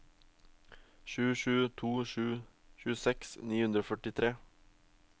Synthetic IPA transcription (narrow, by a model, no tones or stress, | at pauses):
ʃʉːʃʉːt̪ʰuːʃʉː | ʃʉːsɛksniːhʉnd̪ɾoːfœʈɪt̪ʰɾeː